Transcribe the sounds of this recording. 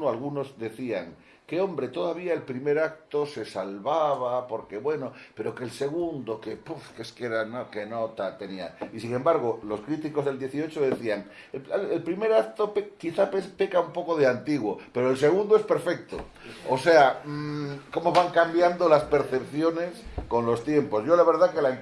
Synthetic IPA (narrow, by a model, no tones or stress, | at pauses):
oalɣuno̞zðe̞θiaŋ | ke̞o̞mbɾe̞t̪o̞ðaβiae̞lpɾime̞ɾak̚t̪o̞se̞salβaβ̞apo̞ɾke̞βwe̞no̞pe̞ɾo̞kelse̞ɣ̞und̪o̞kepufkeskeɾanoke̞not̪at̪e̞nia̰isiŋẽ̞mbaɾɣ̞olo̞skɾit̪iko̞zð̞eld̪je̞θio̞t͡ʃoðe̞θiaŋ | eelpɾime̞ɾak̚t̪o̞pekːiθapespe̞kaumpo̞ko̞ð̞eant̪iɣwope̞ɾoelse̞ɣ̞und̪oespe̞ɾfe̞k̚t̪o̰ | ose̞a | ko̞moβaŋkambjand̪o̞laspe̞ɾθe̞pθjo̞ne̞sko̞nlo̞st̪je̞mpo̞szʝo̞laβeɾðake̞la